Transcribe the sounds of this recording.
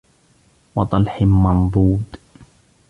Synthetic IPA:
wɑt̪ˤɑlħɪmɑnd̪ˤuːd̪

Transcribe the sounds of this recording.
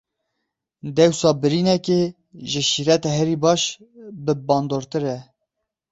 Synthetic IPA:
d̪ɛwsɑːbɨɾinɛke | ʒɪʃiːɾɛt̪ɛɦɛɾibɑːʃ | bɨbɑːnd̪oːɾt̪ɨɾɛ

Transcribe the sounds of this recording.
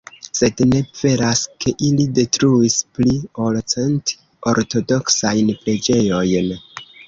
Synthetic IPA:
se̞dne̞v̥e̞ɾaskʰe̞ʔilide̞tɾuispliolt͡sent | o̞ɾto̞do̞ksajnpɾe̞d͡ʒe̞jo̞jn

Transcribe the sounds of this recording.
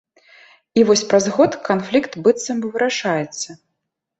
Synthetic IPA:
ivɔsʲpɾazɣɔt̪kanflʲikt̪bɨt̪sːɐmvɨɾaʂajɛt̪sːɐ

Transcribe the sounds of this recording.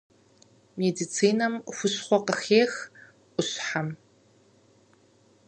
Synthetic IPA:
meːdit͡sʰiːnɐmxʷʊɕχʷɔqəxeːx | ʔʷʊɕħam

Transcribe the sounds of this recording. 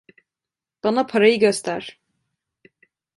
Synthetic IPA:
b̥anapʰaɾajɯɟøst̪ʰæɾ̥

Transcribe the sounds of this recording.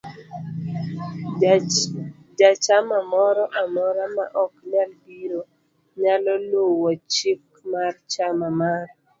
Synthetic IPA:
d͡ʒat͡ʃamamɔɾɔʔamɔɾama̰ʔɔknalbiɾo | ɲalɔlowɔt͡ʃɪk | mart͡ʃamamar

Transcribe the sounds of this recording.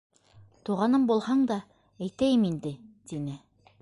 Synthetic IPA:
t̪uʁɑnɤmbulˠhɑɴd̪ɑ | æjt̪æjɘmind̪ɘt̪inɘ

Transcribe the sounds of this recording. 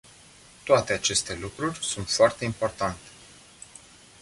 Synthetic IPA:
t̪oat̪e̞at͡ʃe̞st̪e̞lukɾurʲsunt̪foart̪e̞impo̞rt̪ant̪e̥

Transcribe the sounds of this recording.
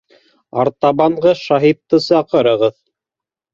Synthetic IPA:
ɑ̰ɾt̪ɑβɑɴɢɤʃɑɦit̪ːɤsɑqɤ̆ɾɤ̆ʁɤð

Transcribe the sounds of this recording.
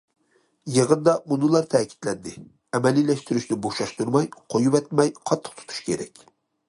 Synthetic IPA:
jeʁənd̪ɑmunɨlˠɑɾt̪ʰɛːkʲʰi̥t̪lɛnd̪ɪ | ɛmɛlilɛʃt̪yɾyʃnɪboʃɑʃt̪uɾmɑjqʰojupɛt̪̚mɛjqʰɑt̪ʰːə̥qt̪ʰu̥t̪ʰu̥ʃkʲʰeɾɛ̰kʲ

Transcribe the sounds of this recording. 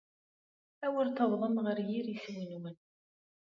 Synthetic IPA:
æwəɾt̪əðˤðˤəmʁəɾjiɾiswinwən

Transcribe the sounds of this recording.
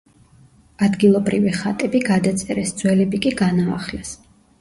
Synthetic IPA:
ad̪ɡilˠɔbɾiviχat̪ʼɛbiɡad̪at̪sʼɛɾɛsd̪zwɛlɛbikʼiɡana̰ːχlɛs

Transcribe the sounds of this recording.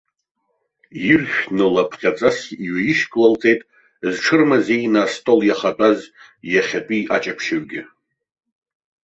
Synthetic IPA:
jirχʲᶣnɨlapʰχʲat͡sʼasiɥajiʃkʼlalt͡sʼe̞jtʼ | zʈ͡ʂʰɨrmazejnaːstʼo̞ljaχatʷʼaz | jaχʲatʷʼiʔa̰t͡ʃʼapʰʃaɥɡʲɪ

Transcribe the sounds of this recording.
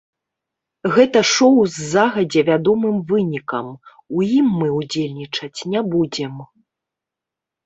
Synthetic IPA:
ɣɛt̪ɐʂɔwzːaɣɐd͡zʲɛvʲad̪ɔmɨmvɨnʲikɐ̰m | ujimːɨud͡zʲelʲnʲit͡ʂɐt͡sʲnʲabud͡zʲɛm

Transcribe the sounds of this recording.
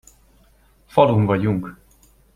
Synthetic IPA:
fɒlumvɒɟuŋk

